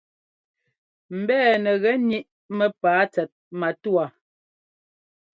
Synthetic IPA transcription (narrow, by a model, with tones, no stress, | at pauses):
m̩˨bɛː˦˨nɛ˨ɣɛ˨˦ni˦ʔ | mɛ˦paː˨˦t͡sɛ˨t̚ma˨tu˦a˨